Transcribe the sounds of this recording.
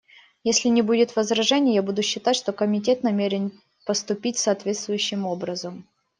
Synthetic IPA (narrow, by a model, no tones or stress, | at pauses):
jesʲlʲɪnʲɪbudʲɪt̪vəzɾɐʐɛnʲɪjjabud̪ʊɕːɪt̪atʲʂt̪okəmʲɪt̬ʲe̞t̪nɐmʲeɾʲɪn | pəst̪ʊpʲitʲsɐːt̪vʲe̞t̪st̪vʊjʉɕːɪmo̞bɾəzəm